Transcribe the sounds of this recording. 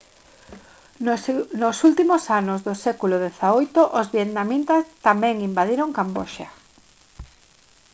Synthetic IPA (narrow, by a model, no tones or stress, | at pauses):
nosult̪imosanozðosɛkuloðeθaojt̪oʔozβjet̪namĩnt̪ast̪amɛ̃ŋimbaðiɾoŋkamboʃa